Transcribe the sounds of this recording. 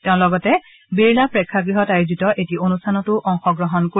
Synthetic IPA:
tɛʊ̃lɔɡɔtɛ | biɹlapɹɛkʰːaɡɹiɦɔtajuzitɔʔetionustʰanɔtʊʔɔŋxɔɡɹɔɦɔnko

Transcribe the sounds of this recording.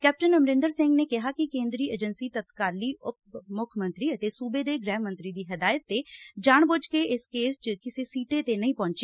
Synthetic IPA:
kɛːp̚ʈənəmɾɪ̃nd̪əɾsɪ̃ŋɡneːkɪɦaːkɪkẽːnd̪ɾiːeːd͡ʒənsiːt̪ət̪kaːliːʔʊp̚mʊkʰmə̃nt̪ɾiːət̪eːsuːbeːd̪eːɡɾɛːmːənt̪ɾiːd̪iːɦəd̪aːjət̪ːeːd͡ʒaːɳbʊt͡ʃkeɪskeːst͡ʃəkɪseːsiːʈeːt̪eːnəĩːpɔ̃ːɲt͡ʃe

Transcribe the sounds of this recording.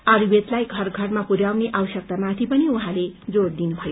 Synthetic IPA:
ʌɾibet̪lajɡʱʌrɡʱʌrmapuɾjawneʔawʌsʌk̚t̪amat̪ʰipʌniuɦãled͡zoɽd̪inubʱʌjo

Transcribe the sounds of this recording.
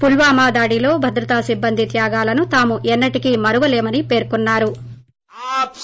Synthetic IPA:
pulʋaːmaːd̪aːɽilo̞ːbʱɐd̪ɾɐt̪aːsibːɐnd̪it̪jaːɡaːlɐnut̪aːmuʔɛnːɐʈikimɐɾuʋɐle̞ːmɐnipe̞ːɾkunːaːɾu

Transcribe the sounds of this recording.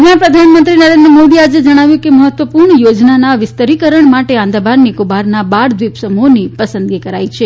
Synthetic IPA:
apɾəd̪ʱanmənt̪ɾinəɾend̪ɾəmod̪iad͡ʒed͡ʒəɽ̃aʋjũkeməɦət̪ʋəpuɾɳəjod͡ʒnanaʋɪst̪əɾikəɾəɳmaʈeãnd̪abaɾnikubaɾnabaɾd̪ʋipsəmonipəsənd̪ɡikəɾait͡ʃʰe

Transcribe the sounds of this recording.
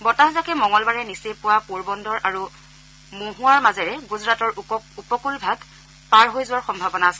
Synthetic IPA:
bɔtaɦzakɛmɔŋɔlbaɹɛnisepʊwapoɹbɔndɔɹʔaɹu | moɦũwaɹmazɛɹɛɡuzɹatɔɹupɔkulbʱaɡ | paɹɦojzʊwaɹxɔmbʱabɔnaːsɛ

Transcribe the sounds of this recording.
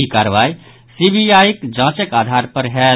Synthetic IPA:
ikaɾʋai | sibʱijajikd͡ʒãt͡ʃəkad̪ʱaɾpəɾɦɛ

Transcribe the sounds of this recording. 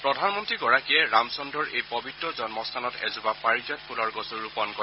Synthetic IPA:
pɹɔdʱanmɔntɹiɡɔɹakiɛɹamsɔndɔɹʔejpɔbʱitːɹɔzɔnmɔstʰanɔtɛ̰zʊbapaɹizat̚pʰulɔɹɡɔsuɹɹupɔnkɔ

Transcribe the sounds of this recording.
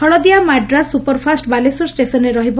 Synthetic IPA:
ɔɭɔd̪iamaʈɖɾasːupɔɾpʰasʈbalesɔɾsʈesɔneɾɔɦibɔ

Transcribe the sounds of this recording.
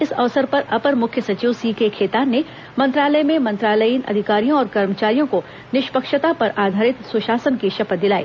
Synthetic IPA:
ɪsɐ̰ʋsəɾpɐɾɐpəɾmʊkʰjəsɐt͡ʃiːʋsiːkekʰeːt̪aːne | mɐ̃nt̪ɾaːləjmẽmɐ̃nt̪ɾaːləinɐ̰d̪ʱɪkaːɾijõɔːɾkɐɾmət͡ʃaːɾijõko | nɪʃpəkʃət̪apɐɾaːd̪ʱaːɾɪt̪sʊʃaːsənkiʃɐpət̪̚d̪ɪlaːḭː

